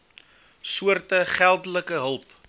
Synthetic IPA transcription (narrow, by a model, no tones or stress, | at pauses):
suərtəχælˠdələkəɦəlˠp